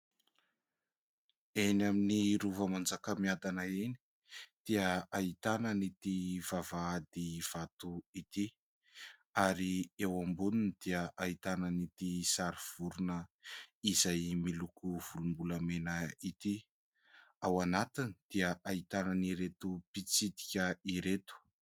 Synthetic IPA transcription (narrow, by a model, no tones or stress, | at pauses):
enaminiɾuvəmand͡zakəmiad̪anaeni̥ | d̪̥iəait̪anənit̪iv̥avaad̪iv̥at̪uit̪i | aɾiewambununid̪̥iəʔait̪anənit̪isaɾiv̥uɾunəizajmilukuv̥ulumbulamenəit̪i | awanat̪inid̪̥iəʔait̪ananiɾet̪upit͡sid̪i̥kʲəiɾet̪u̥